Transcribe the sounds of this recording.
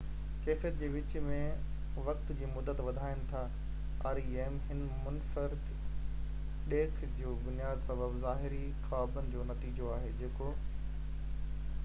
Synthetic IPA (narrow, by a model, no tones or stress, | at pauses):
keːfət̪̚d͡ʑeːʋɪt͡ɕ̆mẽ | ʋɐk̚t̪d͡ʑiːmʊd̪ːət̪ʋɐd̪ʱaːɪñɪ̆t̪ʰa | aːɾieːmɦɪn | mʊnfəɾɪd̪ | ɗeːkʰd͡ʑoːbʊnijaːd̪sɐbəbzaːɦɪɾi | xaːbənɪ̆d͡ʑoːnɐt̪iːd͡ʑoaːɦed͡ʑeːko